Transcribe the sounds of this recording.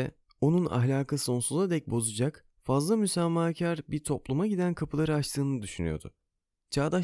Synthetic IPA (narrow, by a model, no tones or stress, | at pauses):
ɛ | o̞nuna̰ɦlʲaːkʰaso̞nsuzad̪ɛc̚bo̞zud͡ʒak | fazlˠamysæmːaːcʰæɾbiɾt̪ʰo̞plˠumaɟid̪ænkʰapʰɯlˠaɾɯat͡ʃt̪ʰɯːnɯd̪yʃyny̰jo̰d̪ṵ | t͡ʃʰaːd̪a